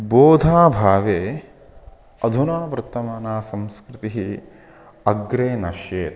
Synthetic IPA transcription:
boːd̪ʱaːbʱaːʋeː | ɐd̪ʱunaːpɾɨt̪ːɐmaːnaːsɐmskɾɪt̪iɦi | ɐɡɾeːnɐʃjeːt̪

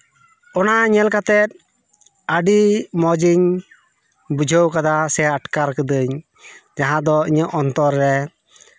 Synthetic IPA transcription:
ɔnaɲɛlkat̪ɛt̪̚ | əɖimɔd͡ʒiɲ | bud͡ʒʱəwkad̪asɛəʈkaɾkəd̪əɲ | d͡ʒaɦãd̪ɔiɲəʔɔnt̪ɔɾːɛ

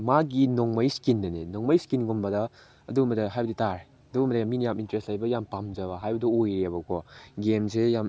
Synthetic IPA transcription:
maɡinoŋmɐjskindɐnenoŋmɐjskinɡombɐdɐː | duɡmbɐdɐɦajbɐditaɾe | ɐduɡumbɐdɐjamːinijamintɾestlɐjbɐjampamd͡ʒɐbɐɦajbɐdɐojɾebɐkʰɔɡemsejam

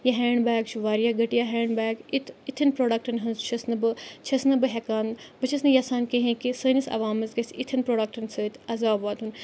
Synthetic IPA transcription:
jɐɦɛːɳɖbaːkt͡ʃʰuʋaːɾijaːɡɐʈijaːɦɛːɳɖbaːkit̪it̪ʰɐnpɾoːɖɐk̚ʈɐnɦɐnzt͡ʃʰɐsnɨbɨt͡ʃʰɐsnɨbɨɦekaːnbɨt͡ʃʰɐsnɨjasaːnkeɦẽkisəːnisɐ̰ʋaːmɐsɡɐsʲit̪ʰɐnpɾoːɖɐk̚ʈɐnsəːit̪ʰɐzaːbaːt̪ɦun

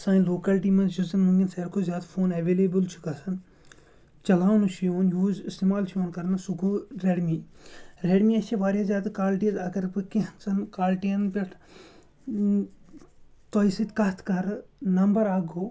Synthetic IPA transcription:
sãːĩloːkɐlʈiːmɐd͡ʒuzɐnmɐŋɡinseːɾkʰozjaːd̪fʰoːnɐʋeːleːbəlt͡ʃʰu̥kɐsɐn | t͡ʃɐlaːnut͡ʃʰijoːnjuːzɪst̪eːmaːlt͡ʃʰijoːnkɐɾnasuɡuɾeɽmiɾeːɽmiɐt͡ʃʰeʋaːɾjaːzʲjaːd̪kaːlʈizɐɡɐɾbɨkiɦɐnsɐnkaːlʈiɐnbɐʈʰ | t̪oːisit̪kɐt̪ʰkɐɾnɐmbɐɾaːɡoː

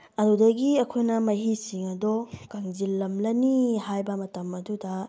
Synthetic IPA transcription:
ɐdudɐɡiɐkʰojnɐmɐɦisiŋɐdɔkaŋzilːɐmlɐnihajbɐmɐtɐmɐdudɐ

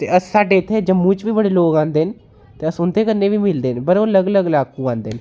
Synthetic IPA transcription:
t̪eːəsːaːɖeːt̪ʰːeːd͡ʒəmːũːt͡ʃʋiːbəɽeːloːkãːnd̪eːn | t̪eːəsʊnt̪eːkəneːʋiːmɪld̪eːnpəɾoːələɡələɡlaːkũːãːnd̪eːn

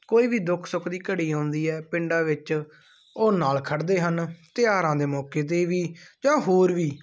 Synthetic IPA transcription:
koːiːʋiːd̪ʊkʰsʊkʰd̪iːkəɽiːɦõːnd̪iːɛːpɪɳɖãːʋɪt͡ʃ | oːnaːlkʰəɖd̪eːɦənt̪ɪjaːɾãːd̪eːmɔːkeːt̪̬eːʋiːd͡ʒãːɦoːɾʋiː

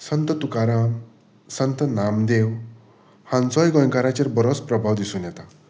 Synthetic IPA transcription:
sʌnt̪ət̪ukaɾa | sənt̪ənamd̪ew | hãnt͡sɔjɡʌ̃ŋkaɾat͡ɕeɾbəɾɔspɾəbʱawd̪isunjɛt̪a

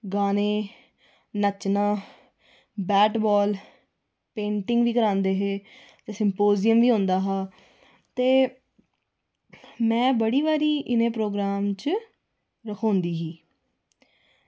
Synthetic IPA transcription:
ɡaːnẽː | nət͡ʃnãː | bɛːʈbɔːl | pẽːɳʈɪ̃ŋɡʋiːkəɾãːnd̪eːɦeː | t̪eːsɪmpoːzɪjəmʋiːɦõːnd̪aːɦaː | t̪eː | mɛ̃ːbəɽiːʋaːɾiːʔɪnẽːpɾoːɡɾaːmt͡ʃ | ɾəkʰõːnd̪iːɦiː

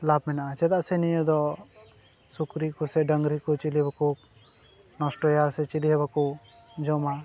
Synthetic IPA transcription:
labmɛnaʔat͡ʃɛd̪aʔsɛnijəd̪ɔ | sukɾikɔsɛɖəŋɡɾikɔt͡ʃilibakɔ | nɔsʈɔjasɛt͡ʃiliɦɛbakɔ | d͡ʒɔma

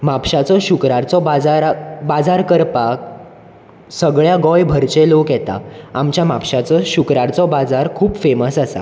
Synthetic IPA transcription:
mapɕat͡sɔɕukɾaɾt͡sɔbad͡zaɾbad͡zaɾkəɾpak̚ | səɡɭjaɡɔjbʱəɾt͡ɕelokjɛt̪a̰amt͡ɕjamapɕat͡sɔɕukɾaɾt͡sɔbad͡zaɾkʰuːpfeməsasa̰

